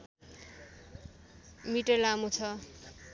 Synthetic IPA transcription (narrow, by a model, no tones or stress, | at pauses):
miʈʌrlamut͡sʰʌ